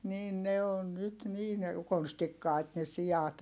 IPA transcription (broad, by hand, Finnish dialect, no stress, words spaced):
niːn ne on nyt niːn konstikːɑˑi̯t ne siɑt